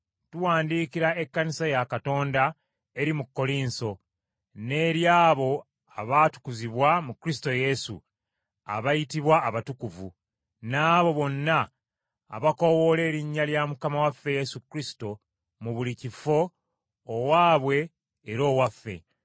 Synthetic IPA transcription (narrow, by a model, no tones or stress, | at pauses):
tuwaːndiːkiɾae̞kːanisajakato̞ːnda | e̞ɾimukːo̞liːnso̞ | ne̞ːɾjaːβo̞ | aβatu̥kuziβwamukɾisi̥to̞je̞sṵ | a̰βajitiβwaːβatukuvṵ | naːβo̞βo̞nːa̰ː | βako̞wo̞le̞ːɾiɲːaljamukamawafːe̞je̞sukɾisi̥to̞ | muβulicifo̞ː | waːβwe̞ː | ɾo̞ːwafːe̞̰